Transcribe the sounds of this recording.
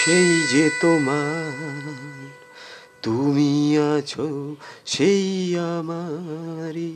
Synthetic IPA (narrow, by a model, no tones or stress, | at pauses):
ʃeid͡ʒet̪oma | d̪ʱumiãt͡ʃʰoʃeiama | ɾi